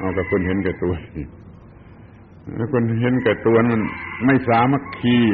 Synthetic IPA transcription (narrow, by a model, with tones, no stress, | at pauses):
ʔaː˧˩ka˧˩kʰo˧˥˨nɦe˨˦nka˧˩˨t̪u˧ən | a˧kʰo˧˥˨nɦe˨˧˦nka˧˩t̪u˧ə˨nma˧˨nma˥˩jsaː˨˦ma˧˨kʰːiː˧˩